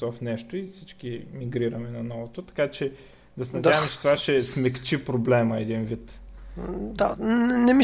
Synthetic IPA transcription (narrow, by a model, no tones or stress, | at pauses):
vɐfnɛʃt̪oifsit͡ʃkimiɡɾiɾɐmɛnɐnɔvot̪ot̪ɐ̥kat͡ʃɛ | d̪ɐsɛnɐd̪aəmɛt͡ʃɛ̥t̪ovaʃɛsmɛkt͡ʃipɾoblɛməɛd̪invit̪ | d̪anɛmi